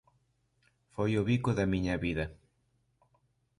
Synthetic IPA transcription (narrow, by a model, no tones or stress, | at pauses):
fojoβikʊðɐmĩɲɐβiðɐ